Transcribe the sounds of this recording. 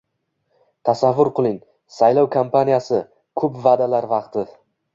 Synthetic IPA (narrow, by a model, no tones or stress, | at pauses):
t̪ʰasavːʊɾqʰɨlˠɪŋ | sajlɒwkʰampʰanijasɪ | kʰɵpvad̪alaɾvɑqt̪ʰɪ